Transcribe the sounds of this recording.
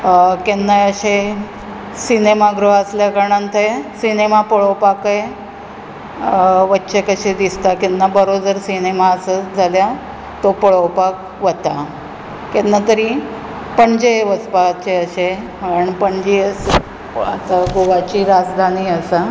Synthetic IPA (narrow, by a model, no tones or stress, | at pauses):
kenːaəɕe | sinemaɡɾəɦəsljakəɾɳant̪ʰəsinemapəɭəwpakəj | ʋətːɕekəɕed̪ist̪akenːabəɾod͡zəɾsinemaəsəd͡zʱalja | t̪opəɭəwpak | ʋət̪a | kenːat̪əɾi | pəɳd͡ʑeʋəspat͡ɕeəɕe | aəəɳpəɳd͡ʑiəs | at̪aɡoʋat͡ɕiːɾad͡zd̪ʱaniːəsa